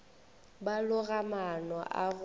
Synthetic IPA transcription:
balʊɣamanɔʔaɣ

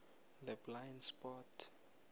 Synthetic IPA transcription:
dɛblajnspɔtʰ

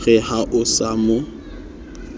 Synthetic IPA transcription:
ɣɛhaʔʊsaːmʊ

